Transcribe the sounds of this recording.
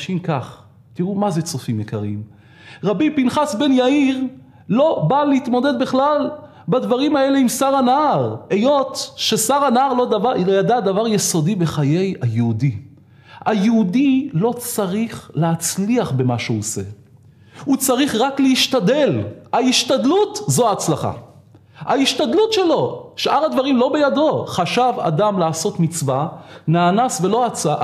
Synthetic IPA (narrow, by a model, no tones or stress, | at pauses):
ʃimkaχ | t̪iʁumazet͡sofimjekaʁiim | ʁabipinχasbe̞njaiʁ | lo̞balehit̪mo̞d̪e̞d̪biχlal | bad̪vaʁimae̞leimsaʁanaaʁejo̞t̪ʃesaʁanaaʁlodavajad̪ad̪avaʁjeso̞dibe̞χaje̞jajeudi | ajeudilo̞t͡saʁiχleat͡sliaχbe̞maʃeuose̞̰ | ut͡saʁiχʁaklehiʃtade̞lhaiʃtad̪lutzoaːt͡slaχa̰ | aiʃtad̪lutʃe̞lo̞ʃʔaʁad̪vaʁimlo̞be̞jado̞χaʃava̰damlaːso̞t̪mit͡svanaːnasvelo̞at͡sa